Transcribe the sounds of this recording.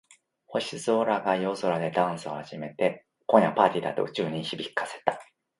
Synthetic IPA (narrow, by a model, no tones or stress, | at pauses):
ho̞ɕizoːɾaɡajo̞ːzo̞ɾad̪e̞d̪ãɰ̃sɨo̞haʑime̞t̪e̞ | kõ̞ɰ̃japaːt̪ʲid̪at̪o̞̰ɯ̟t͡ɕɨːɲ̟ĩçibʲikːḁse̞̥t̪ḁ